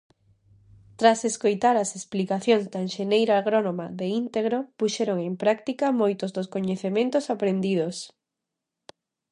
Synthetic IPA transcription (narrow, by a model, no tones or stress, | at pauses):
t̪ɾaseskojt̪aɾɐsesplikaθjoŋzd̪aenʃenejɾaaɣɾonomaðeint̪eɣɾopuʃɛɾoŋempɾakt̪ikamojt̪ʊzðoskoɲeθemẽnt̪osapɾend̪iðos